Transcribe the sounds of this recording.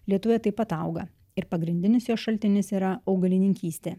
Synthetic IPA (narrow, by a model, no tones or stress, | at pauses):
lʲiɛt̪ʊʋʲɛt̪ɐɪpɐt̪ɐˑʊɡɐ | ɪɾpɐɡɾʲɪnʲd̪ʲɪnʲɪsjoːsʃɐlʲt̪ʲɪnʲɪsiːɾɐɐʊɡɐlʲɪnʲɪŋʲkʲiːsʲt̪ʲeː